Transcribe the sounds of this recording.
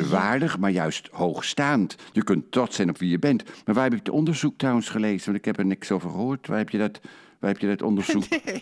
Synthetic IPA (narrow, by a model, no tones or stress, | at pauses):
ʋaːɹdəχmaːɹjœɥsthowχstaːntjəkɵntːrɔtsɛjnɔpʋijəbɛntmaɹʋaːrɦɛbɪktɔndəɹzuk̚trɔwənsχəlejzəʋɑntɪ̥khɛpɛɹnɪksowvərχəɦoːɹtʋaːrɛpjədɔt | ʋaːrhɛpjədɔtɔ̰ndəɹzuk